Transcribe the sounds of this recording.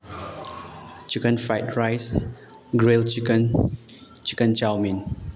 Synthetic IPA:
t͡ʃikə̃nfajt̚ɹajsɡɹelt͡ʃikə̃n | t͡ʃikə̃nt͡ʃawmĩn

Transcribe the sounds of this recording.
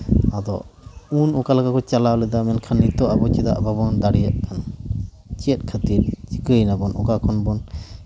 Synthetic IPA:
ad̪ɔ̰unɔkalakakɔt͡ʃalalɛd̪amɛnkʰanːit̪ɔʔabɔt͡ʃɛd̪a̰ʔbabɔnd̪aɽijat̪̚kʰan | t͡ʃijət̪̚ˀkʰət̪iɾ̚t͡ʃi̥kəjnabɔnʔɔ̰kakʰɔnbɔn

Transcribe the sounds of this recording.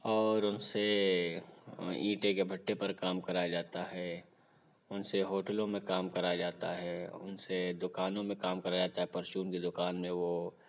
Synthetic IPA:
ɔːɾʊnse | ĩːʈekebʱɐʈːepɐɾkaːmkɐɾad͡ʒaːt̪aɦɛː | ʊnseɦoːʈəlõmẽkaːmkɐɾad͡ʒaːt̪aɦɛːʊ̰nsed̪ʊkaːnõmẽkaːmkɐɾad͡ʒaːt̪aɦɛpɐɾʃuːnked̪ʊkaːnmẽʋo

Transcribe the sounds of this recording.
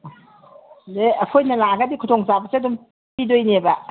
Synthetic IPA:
deɐkʰojnɐlaɡadikʰutʰoŋsabɐseɐdum | idojnebɐ

